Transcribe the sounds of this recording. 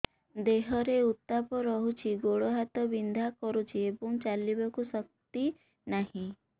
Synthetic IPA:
d̪eɦɔɾeut̪ːapɔɾɔɦut͡ʃʰiɡoɽoɦat̪ɔbind̪ʱakɔɾut͡ʃʰiebɔŋt͡ʃalibakusɔk̚t̪i | nahĩ

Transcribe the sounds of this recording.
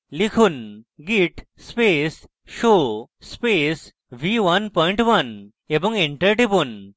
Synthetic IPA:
likʰunɡiʈ | spes | ʃospes | ʋiʋɐnpɔ̃ĩɳʈʋɐn | ebə̃ŋɡẽɳʈəɾʈipun

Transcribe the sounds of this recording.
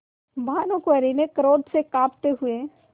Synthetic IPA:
bʱaːnõkʋəɾinekəɾoːd̪ʱsekaːpt̪eɦʊe

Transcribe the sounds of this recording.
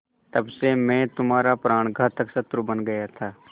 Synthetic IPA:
t̪ɐbsemɛ̃ːt̪ʊmaːɾapɾaːɽ̃ɡʱaːt̪ʰəksɐt̪ɾubɐnɡɐjat̪ʰaː

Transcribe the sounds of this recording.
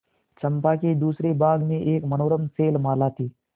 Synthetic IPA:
t͡ʃɐmpakid̪uːsɾibaːɡneʔeːkmɐnoːɾəmseːlmaːlaːt̪ʰiː

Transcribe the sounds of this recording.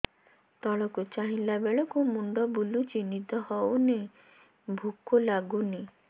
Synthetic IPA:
t̪ɔɭɔkut͡ʃaɦĩlabeɭɔkumuɳɖɔbulut͡ʃinit̪ɔhɔwne | bʱukolaɡuni

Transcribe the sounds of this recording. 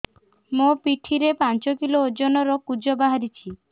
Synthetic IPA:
mopiʈʰiɾepant͡ʃɔkiloːd͡ʒɔnɔɾɔkud͡ʒɔbaɦaɾit͡ʃʰi

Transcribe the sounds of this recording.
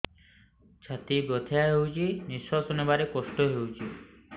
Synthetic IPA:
d͡ʑʰat̪ibɾot̪ʰejaɦewd͡ʑiniʃwasonebaɾekoʃʈoɦewd͡ʑi

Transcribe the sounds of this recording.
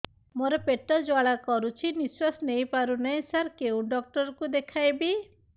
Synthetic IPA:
moɾɔpeʈɔd͡ʒwaɭakɔɾut͡ʃʰiniswasnejpaɾunajsaɾkeũɖɔk̚ʈɔɾɔkud̪ekʰajbi

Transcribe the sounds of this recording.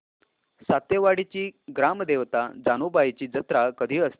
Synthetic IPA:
sat̪eʋaɽit͡ɕiːɡɾamd̪eʋt̪ad͡zanobajt͡ɕiːd͡zət̪ɾakəd̪ʱiːəst̪i

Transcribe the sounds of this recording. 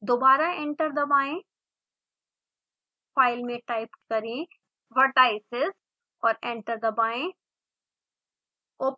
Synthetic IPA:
d̪oːbaːɾaẽɳʈəɾd̪ɐbaːẽ | faːɪlmẽʈaːɪpkɐɾẽ | ʋəʈaːɪsɪz | ɔːɾẽːɳʈəɾd̪ɐbaːẽ | oː

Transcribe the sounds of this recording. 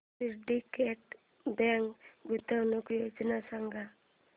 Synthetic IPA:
iɾɖikeʈ | bɛŋkɡut̪awnukjod͡ʒnasaŋɡa

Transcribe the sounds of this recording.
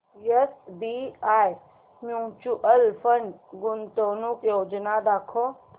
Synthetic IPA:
jesbiaːj | mjut͡ʃuʔəlfəɳɖɡʊnt̪oːnukjoːd͡ʒnad̪aːkʰo

